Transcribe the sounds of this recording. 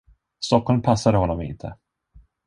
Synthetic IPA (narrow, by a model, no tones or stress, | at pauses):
st̪ɔkːɔlmpʰasːad̪əɦɔnːɔmɪ̰nt̪ʰə̰